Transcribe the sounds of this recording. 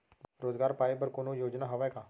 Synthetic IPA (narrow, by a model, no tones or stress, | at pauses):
ɾoːzɡaːɾpaːipəɾkoːnojoːd͡ʒnaɦɐʋakaː